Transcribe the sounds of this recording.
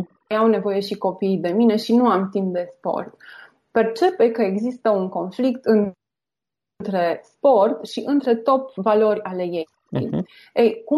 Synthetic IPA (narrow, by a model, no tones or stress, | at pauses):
awne̞vo̞je̞ʃiko̞pijd̪e̞mine̞ʃinuamt̪imp̚d̪e̞spo̞̰rt̪ | pe̞rt͡ʃe̞pe̞kəeɡzist̪əuŋko̞nflikt̪ɨn | t̪ɾe̞spo̞rt̪ʃiʔɨnt̪ɾe̞t̪o̞tvalo̞rʲale̞je | ejku